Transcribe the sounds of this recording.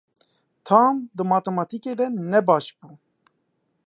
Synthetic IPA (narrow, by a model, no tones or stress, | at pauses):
t̪ʰaːmd̪əmɑt̪ɛmɑt̪ʰiked̪ɛnɛbɑːʃbuː